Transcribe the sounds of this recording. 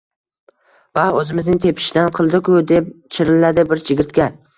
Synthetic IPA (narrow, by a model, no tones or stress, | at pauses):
vaɵzɪmɪznɪŋt̪ʰe̞pʰɪ̥ʃɪd̪anqʰɨlˠd̪ɪkʰʊd̪e̞p̚t͡ʃʰɪɾɪlad̪ɪbɪɾt͡ʃʰɪɡʲɪɾt̪kʲa